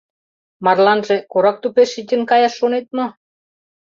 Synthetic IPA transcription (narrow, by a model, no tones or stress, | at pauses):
mɑrlɑnʒĕkoɾɑk̚t̪upeʃit̪ʲə̆nkɑjɑʃːonet̪̚mŏ